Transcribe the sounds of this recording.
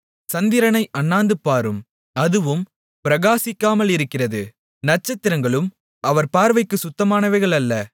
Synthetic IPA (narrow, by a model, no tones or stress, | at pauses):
sɐnd̪ɪɾɐnɐɪʔɐnːaːnd̪ɯpːaːɾɯm | ɐðɯʋɯm | pɪɾɐɣaːsɪkːaːmɐlɪɾɯkːɪrɐðɯ | nɐʈ̚t͡ʃːɐt̪ːɪɾɐŋɡɐɭɯm | ɐʋɐɾpaːɾʋɐɪkːɯsʊt̪ːɐmaːnɐʋɐɪɣɐɭɐlːɐ